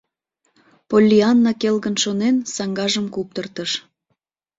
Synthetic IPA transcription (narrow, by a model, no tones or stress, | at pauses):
polʲːiɑnːɑkelɣənʃonensɑŋɡɑʒəmkup̚t̪ərt̪əʃ